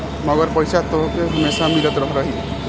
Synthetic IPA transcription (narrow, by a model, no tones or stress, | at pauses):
mɔɡɔɾpɔjsat̪ɔɦɔkeɦumesamiɾɔt̪ɾɔɦɾɔɦi